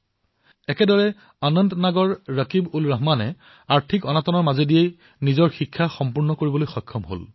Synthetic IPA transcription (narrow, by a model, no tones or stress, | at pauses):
ɛkɛdɔɹɛ | anɔntnaɡɔɹːəkibulɹaɦmanɛ | aɹtʰikɔnatɔnɔɹmazedijej | nizɔɹxikʰːaxɔmpuɹnɔkoɹibɔlojxɔjkʰːɔmɦo̰l